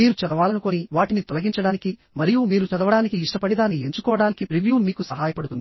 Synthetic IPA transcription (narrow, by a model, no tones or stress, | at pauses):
miːɾut͡ʃɐd̪ɐʋaːlɐnukoːniʋaːʈinit̪ɔlɐɡiɲt͡ʃɐɽaːniki | mɐɾijumiːɾut͡ʃɐd̪ɐʋɐɽaːnikiːʂʈɐpɐɽid̪aːnie̞ɲt͡ʃukɔːʋɐɽaːnikipɾiʋjuːmiːkusɐɦaːjɐpɐɽut̪und̪i